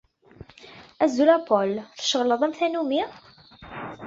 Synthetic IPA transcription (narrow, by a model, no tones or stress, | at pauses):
æzulæpɔlθə̥ʃəʁləðˤæmθænumi